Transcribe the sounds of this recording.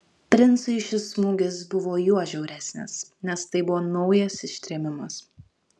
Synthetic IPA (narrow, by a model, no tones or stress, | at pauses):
pʲɾʲɪnˑt̪sɐɪʃʲɪsmʊɡʲɪsbʊʋoːjuɔʒʲɛʊɾʲæːsʲnʲḛːsnʲɛst̪ɐɪbʊʋoːnɐʊjɛsɪʃʲt̪ʲɾʲɛːmʲɪmɐs